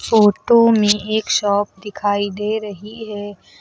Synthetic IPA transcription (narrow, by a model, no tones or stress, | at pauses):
foːʈomẽeːkʃɔːp̚d̪ɪkʰaːid̪eːɾɐɦiɦɛː